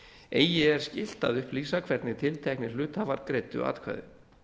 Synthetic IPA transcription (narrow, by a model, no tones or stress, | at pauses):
eːjɪɛɾ̥scɪl̥t̪a̰ðʏhpliːsakʰv̥ɛɾt̪nɪt̪ʰɪlt̪ʰɛknɪlʏːt̪avaɾkɾejt̪ʏ̰a̰ːt̪kʰva̰jðɪ̰